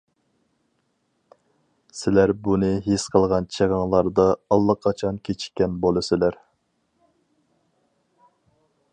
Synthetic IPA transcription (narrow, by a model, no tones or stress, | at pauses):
sɪlæɾbunɨɦesqʰəlˠʁɑnt͡ʃʰeʁɑŋlˠɑɾd̪ɑɑlˠːəqʰːɑt͡ʃʰɑnkʲʰet͡ʃʰi̥kʲːɛnbolˠɨsɪlæɾ